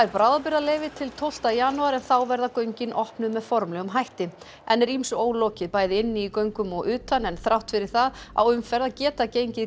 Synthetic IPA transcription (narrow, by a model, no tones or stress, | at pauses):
ɛɾpɾaːwðapɪɾalejvɪt̪ʰɪlt̪ʰowl̥t̪ajanuaɾɛnθawvɛɾðakœɥɲcɪnʔɔhpnʏmːɛðfɔɾmlɛɣʏmɦajht̪ɪ | ɛnːɛɾimsʏoːwlɔːcɪðpaːjðɪɪnːɪikœɥŋkʏmɔɣʏːt̪anɛnθɾawht̪fɪɾɪɾ̥θaða̰wʏmfɛɾðacɛːt̪acejɲcɪ